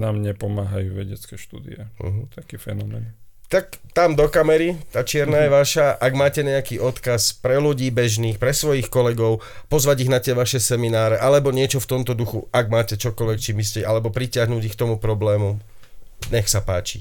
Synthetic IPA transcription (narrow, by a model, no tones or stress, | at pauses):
namɲɛpɔmaːɦa̰juːʋɛɟɛt͡skɛːʃt̪ṵːd̪ḭɛ̰ɦ̩t̪akiːfɛnɔmɛːn | t̪akt̪amd̪ɔkamɛɾit̪aːt͡ʃɪɛɾnaːjɛʋaʃaʔaɡmaːcɛɲɛakiːʔɔt̪kaspɾɛluɟiːbɛʒniːxpɾɛsʋɔjixkɔlɛɡɔʊ | pɔzʋaɟiɣnat̪ɪɛʋaʃɛsɛminaːɾɛʔalɛbɔɲɪɛt͡ʃɔft̪ɔmt̪ɔd̪uxuaɡmaːcɛt͡ʃɔkɔlʋɛkt͡ʃimis̬cɛʔalɛbɔpɾicɪaɦnuːɟixk̚t̪ɔmupɾɔblɛːmu | ɲɛxsapaːt͡ʃḭ